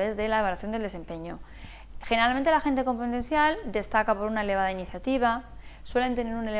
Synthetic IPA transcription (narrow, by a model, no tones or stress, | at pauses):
e̞zðe̞laeβalwaθjond̪eld̪e̞se̞mpe̞ɲo̞ | xeneɾalment̪e̞laxe̞nt̪̬e̞ko̞mpot̪ẽ̞nθjald̪e̞st̪akapoɾunae̞le̞βað̞ainiθjat̪iβ̞a | swe̞le̞nt̪e̞ne̞ɾune̞l